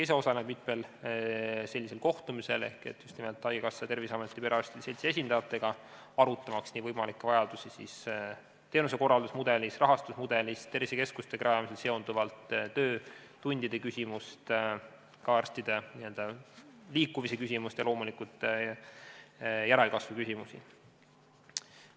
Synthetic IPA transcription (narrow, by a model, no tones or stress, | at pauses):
ejs̬eo̞sɑned̥̪mit̪mel | se̞lʲːise̞lko̞ht̪umise̞̰le̞hke̞̰t̪ːjust̪nimelt̪ːˑɑjɡekɑsːɑt̪e̞rvisɑme̞t̪ːˑipeɑsʲt̪id̪se̞lʲt̪sie̞s̬ʲind̪̥ɑɑt̪ːˑe̞ɡ̥ɑ | ɑɾut̪ːˑɑmɑksniːvɤjmɑlikːˑevɑjɑd̪̥usisḭs | t̪e̞ːnuse̞ko̞rɑld̪usmud̪e̞lʲisrɑɦɑst̪usmud̪̥e̞list̪e̞rviseke̞skust̪e̞kɾɑjɑmise̞lse̞ond̪uvɑlt̪tːø̞ːt̪unʲd̪id̪e̞kysʲimust̪ | kɑːrst̪id̪e̞niø̞ld̪̥ɑliːkːˑumise̞kysimust̪jɑlo̞ːmulikut̪ | jæɾe̞lkɑsvukysʲimusḭ